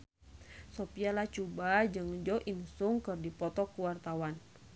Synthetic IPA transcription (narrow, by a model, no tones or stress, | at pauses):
sopialaht͡ʃubad͡ʒɨŋd͡ʒɔʔinsuŋkɨrdipɔt̪ɔkuwart̪awan